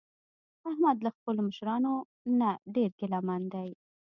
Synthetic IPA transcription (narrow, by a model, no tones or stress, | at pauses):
ahmad̪laxpəloməʃɾɑno | naɖeɾkelɑmand̪aj